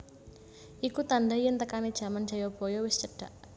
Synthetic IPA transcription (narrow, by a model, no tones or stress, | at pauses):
ʔikut̪anɖajɪnt̪əkanid̥ʒ̥ä̤mandd͡ʒ̥a̤jɔb̥o̤jɔwɪst͡ʃəɖ̥a̤ʔ